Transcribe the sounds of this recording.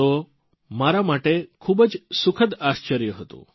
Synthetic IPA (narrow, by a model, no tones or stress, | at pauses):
o | maɾamaʈekʰubəd͡ʒsukʰəd̪aʃt͡ʃəɾjəɦət̪ṵ̃